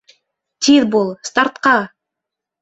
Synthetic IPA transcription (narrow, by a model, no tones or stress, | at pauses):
t̪iðbulˠst̪aɾt̪qɑ